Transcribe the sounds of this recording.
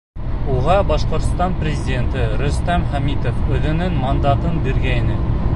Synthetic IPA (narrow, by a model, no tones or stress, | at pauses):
uʁɑbɑʃqŏɾt̪st̪ɑnprʲɪzʲɪdʲent̪ɘɾɵ̆st̪æmχæmit̪ofɵ̆ðɘ̆nɘŋmɐnd̪ɑt̪ɤnbiɾɡæjnɘ